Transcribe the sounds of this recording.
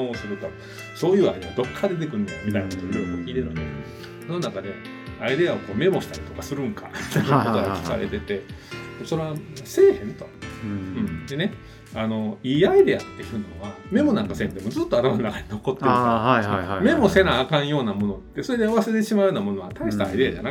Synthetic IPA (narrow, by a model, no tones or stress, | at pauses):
osɨɾɯ̟t̪o | so̞ːjɯ̟ːa̰iiod̪o̞kʰːad̪e̞t̪̬ekɯ̟ɾɯ̃naɾomʲit̪ainakot̪oɾekokʲiːɾeɾat̪e | sononakad̪e̞ | aid̪e̞ao̞ko̞ːme̞mo̞ɕi̥t̪aɾʲit̪o̞kasɨɾɯ̟̃ŋka̰mʲi̥t̪aiooɡakʲi̥ka̰ɾḛt̪e̞t̪e̞̥eso̞ɾe̞ase̞ːhẽ̞nt̪oɯ̃ɴd̪e̞ne̞ | ano̞iːaid̪e̞at̪ːe̞jɯ̟ːno̞βame̞mo̞naŋkasẽ̞nd̪e̞mo̞zɨt̪ːo̞at̪amanonakaɲino̞ko̞t̪ːe | me̞mo̞se̞ɾaːkãɰ̃jo̞ːnamo̞no̞t̪ːeso̞ɾe̞d̪eoβaseɾet̪̬eɕimaɯjoːnamo̞noβat̪aiɕi̥t̪a̰id̪e̞ad͡ʑana